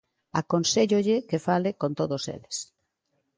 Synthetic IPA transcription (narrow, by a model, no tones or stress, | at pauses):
akonseʎoʎɪkefalɪkont̪oðosḛles